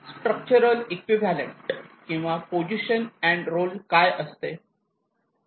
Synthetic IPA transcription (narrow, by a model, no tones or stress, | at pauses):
sʈɾək̚t͡ɕəɾəlekʋiʋælẽɳʈkĩw̃ʋapod͡ʑiɕənɛ̃ɳɖɾolkajʔəst̪e